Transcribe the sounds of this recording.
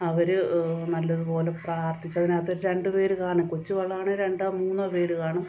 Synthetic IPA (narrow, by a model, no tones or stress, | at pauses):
ɐʋɐɾɨnɐlːɐðupo̞ːlepraːrt̪ʰit͡ɕːɐðinaːt̪ːoɾuɾe̞ɳɖɨpe̞ːɾukaːɳumkut͡ɕːuʋɐɭːaːɳɨɾe̞ɳɖaːmuːnːape̞ːɾukaːɳɐm